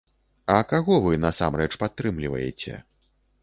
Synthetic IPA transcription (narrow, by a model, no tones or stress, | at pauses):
ɐkaɣɔvɨnɐsa̰mrɛt͡ʂpat̪ːɾɨmlʲivɐ̰jɛ̰t͡sʲɛ̰